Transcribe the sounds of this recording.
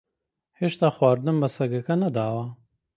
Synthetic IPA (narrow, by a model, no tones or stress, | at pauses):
heːʃt̪aːxwɑːɾd̪ɨmbɐsɐɡɐkɐnɐd̪aːwɐ